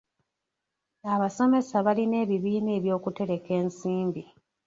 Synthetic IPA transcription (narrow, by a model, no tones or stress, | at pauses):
aβaso̞me̞saβaline̞ːβiβiːneːβjo̞ːkute̞ɾe̞ke̞ːnsiːmbi